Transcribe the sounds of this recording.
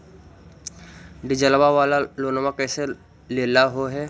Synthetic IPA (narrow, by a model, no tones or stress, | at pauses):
ɖɪd͡ʒəlbaʋaːlaloːnomãkɛːse | leːlaɦoɦɛː